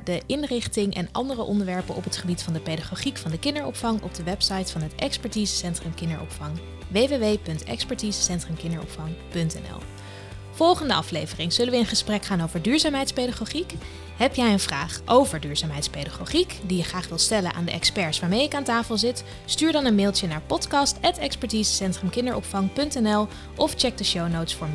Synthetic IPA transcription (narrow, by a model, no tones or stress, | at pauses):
dəʔɪnrɪχtɪŋʔɛ̰nɑ̰ndərəʔɔndəɹʋɛɹpənʔɔ̰pɦətχəbitfɑndəpedaχoχikfɑndəkɪndəɹɔ̰pfɑŋɔ̰b̚dəʋɛpsɑjtfɑnɦətɛkspɛɹtizəsɛntrəmkɪndəɹɔ̰pfɑŋ | ʋeːʋeʋejpɵntɛ̰kspɛɹtizə̥sɛntrəmkɪndəɹɔ̰pfɑŋpɵntɛ̰nɛ̰lˠ | v̥ɔlˠχəndəɑflejvərɪŋz̥ɵləʋəɪnχəsprɛkχaːnowvəɹdyːɹzaːmɦɛjtspejdaχoχik | ɦɛpjɛjənv̥raːχʔowvəɹdyːɹz̥aːmɦɛjtspedaχoχikdijəχraːχʋɪlˠstɛlənʔa̰ːndəʔɛkspɛɹsʋaːɹmejɪkaːntaːfəlˠzɪt | styːɹdɑnənmeːlˠtənaːɹpɔtkɑstɛtɛkspɛɹtiːzəsɛntrəmkɪndəɹʔɔ̰pfɑŋpɵntɛnɛlˠ | ʔɔft͡ʃɛɡ̚dəʃownowtsfʊːɹm